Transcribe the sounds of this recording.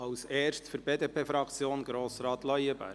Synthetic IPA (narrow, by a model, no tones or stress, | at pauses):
ɑwseːrʃtfʏɾbeːdeːpʰeːfɾɑkt͡sjoːnɡɾoːsɾɑːt̪lœjəbæ̰ː